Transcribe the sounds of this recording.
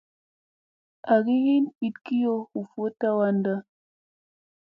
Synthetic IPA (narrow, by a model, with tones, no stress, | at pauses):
a˨ɡi˦ɦi˦ni˨tki˦jo˦hu˨fo˦ta˦wa˦nda˦